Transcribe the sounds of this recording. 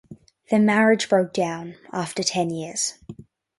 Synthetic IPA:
ðɨmæɹɨd͡ʒbɹoʊk̚d̥ãʊ̃næftə˞tʰɛ̃njɪɹz̥

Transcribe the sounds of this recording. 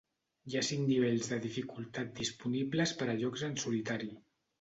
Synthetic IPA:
iasiŋniβ̞eʎzðəðifikulˠt̪at̪̚d̪ispuniβləspəɾəʎɔkzənsulit̪aɾi

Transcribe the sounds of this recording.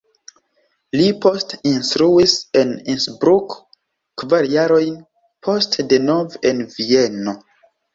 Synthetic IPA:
lipo̞stinstɾuise̞ninsbɾuk | kvaɾjaɾo̞jn | pʰo̞stde̞no̞venvieno̞

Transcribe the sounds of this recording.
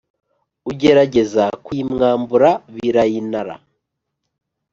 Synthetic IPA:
uɟe̞ɾaɟe̞zakumŋaːmbuɾaβiɾajinaɾa̰

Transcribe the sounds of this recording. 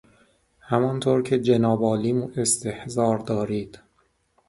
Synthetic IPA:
hæmɒnt̪ʰoːɾcʰe̞d͡ʒenɒːbɒːliːmuːʔe̞st̪ʰe̞hzɒːɾd̪ɒːɾiːd̪̥

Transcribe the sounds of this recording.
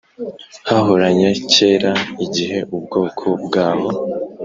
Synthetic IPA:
haɦoɾaɲace̞ːɾaiɟiɦe̞ʔub̚ɡo̞ːkʰobɡaːho

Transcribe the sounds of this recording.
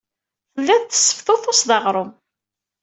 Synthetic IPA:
θəlːæðθə̥sːə̥fθoθʊsðɑʁɾˤʊm

